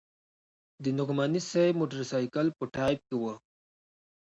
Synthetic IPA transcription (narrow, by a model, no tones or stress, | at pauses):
d̪ənʊqmanisajmoʈəɾsɑjkalpəʈɑjp̚kewə